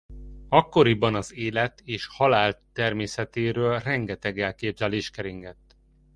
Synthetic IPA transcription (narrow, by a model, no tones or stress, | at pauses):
ɒkːo̞ɾibɒnɒzeːlɛt̪eːʃhɒlaːlt̪ːɛrmeːsɛt̪eːɾøːlrɛŋɡɛt̪ɛɡɛlkeːbzɛleːʃkɛɾiŋɡɛt̪ː